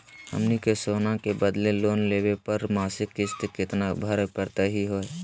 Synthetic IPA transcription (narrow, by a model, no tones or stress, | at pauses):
hə̰mnikesoːnakebəd̪leloːnleːwepəɾmaːsɪkːɪst̪kɪt̪nabʱəɾkəɾt̪eɦiɦoːe